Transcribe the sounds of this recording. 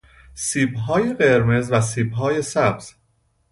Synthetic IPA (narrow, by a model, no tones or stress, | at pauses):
siːbɦɒːje̞ɢe̞ɾme̞zvæsiːbɦɒːje̞sæbz̥